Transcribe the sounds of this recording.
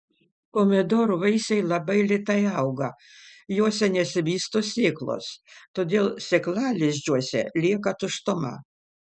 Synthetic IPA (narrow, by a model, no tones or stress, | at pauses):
koːmʲɛd̪oːɾʊʋɐɪsʲɛɪlˠɐbɐɪlʲɪt̪ɐɪɐʊɡɐ | joːsʲɛnʲɛsʲɪbʲiːst̪oːsʲeːklˠo̰st̪oːd̪ʲeːlˠsʲeklˠɑːlʲɪʒʲd͡ʒʲuɔsʲɛ̰lʲiɛkɐt̪ʊʃt̪ʊmɐ̰